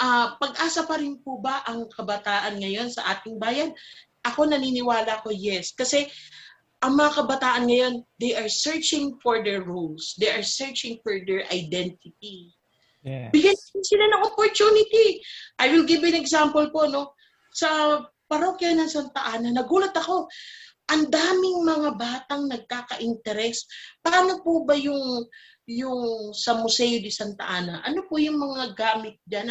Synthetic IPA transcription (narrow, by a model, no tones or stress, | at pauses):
ʔaːpɐɡ̚ʔaːsɐpɐɾɪnpʊbɐʔɐŋkɐbɐt̪aːʔɐnŋɐjo̞nsɐʔaːt̪ɪŋbaːjɐn | ʔɐko̞nɐninɪwaːlɐɐko̞jɛskɐsɛ | ʔɐŋmɐŋakɐbɐt̪aːʔɐnŋɐjo̞nd̪ejʔɐɹsɛɹt͡ʃɪŋfoɹd̪ɛɹːulsd̪ɛjʔɐɹsɛɹt͡ʃɪŋfɔɹd̪ɛɹʔɐjd̪ɛnt̪̚ɪt̪̚i | bɪɡanɪnsɪlanɐŋʔopoɹt͡ʃunɪt̪iʔajwɪlɡɪbɪnɛɡsampolpo̞no̞ | sɐ | pɐɾokjanɐŋsɐnt̪ɐʔaːnɐnɐɡuːlɐt̪ɐko̞ | ʔɐnd̪aːmɪŋmɐŋabaːt̪ɐŋnɐɡ̚kaːkɐʔɪnt̪ɛɾɛspaːnopʊbɐjʊŋ | jʊŋsɐmʊsɛjod̪ɪsɐnt̪ɐ̰ʔaːnɐʔɐno̞pʊjʊŋmɐŋaɡaːmɪt̪̚d͡ʒan